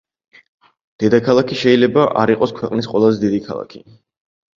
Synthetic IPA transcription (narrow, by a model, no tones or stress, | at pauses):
d̪̥ɛd̪akʰalˠakʰiʃɛilɛbaʔaɾiqʼɔskʰwɛqʼnisqʼwɛlˠazɛd̪id̪ikʰa̰lˠa̰kʰi̥